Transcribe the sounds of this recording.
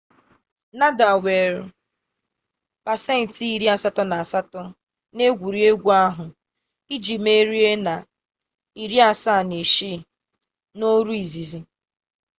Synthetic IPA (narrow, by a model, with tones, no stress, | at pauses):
na˦da˨we˨ɾʊ˨ | pa˨se˦n̩˨ti˨i˦ɾi˦a˦˨sa˦tɔ˦na˨a˨sa˦tɔ˦ | ne˦ɡʷu˨ɾi˨˦e˦ɡʷu˦a˦ɦʊ˨ | i˦d͡ʒi˨me˦ɾi˦e˦na˨ | i˨ɾi˦a˨sa˦˨ne˨ʃi˦˨ | no˦ɾu˦i˨zi˨zi˨